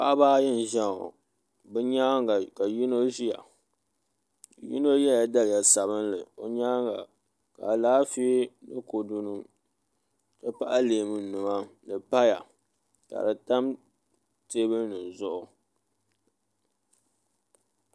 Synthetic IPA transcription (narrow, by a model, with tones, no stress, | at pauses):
pa˦ʔa˦baː˦jɪ˦n˨ʒa˦˨ŋo̰˨ | bɨ˦ɲa˦˨ka˨ji˦no˦ʒi˦ja̰˨ | ji˦no˦jɛ˦ja˨da˦lɪ˨ja˨sa˨βɨ˦nlɨ̰˨o̰˨ɲa˦ŋɡa˨ | ka̰˨laː˦fi˦nɨ˦ko˨du˦nɨ˦m | tɨ˦pa˦ʔa˦leː˨mɨ˦n˦nu˨ma˦nɨ˨pa˦ja̰˨ | ka̰˨dɨ˨ta˦m | te˦bɨ˦nɨ˨n˨zʊ˦ʔʊ˨